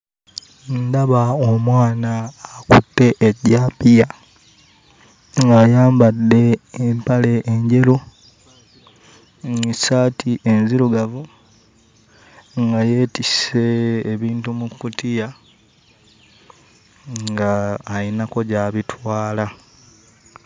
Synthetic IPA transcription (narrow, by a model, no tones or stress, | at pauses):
ndaβaomwaːnaːkṵtːe̞ʔːɟaːpija | ŋɡajaːmbadːe̞ːmpale̞ʔːɲɟe̞lo | isaːtʰiʔenziɾuɡavu | ŋɡaje̞ːtiseːβiːntumukutija | ŋŋɡaːinako̞ɟaβitwaːla